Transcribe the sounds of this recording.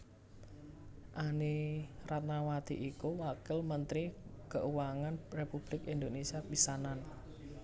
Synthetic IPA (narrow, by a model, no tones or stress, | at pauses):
ʔaniɾat̪̚nawad̪̥ḭʔikuwakɪlmənt̪ɾikəʔuwaŋanrepub̥lɪkind̪onesiapisanan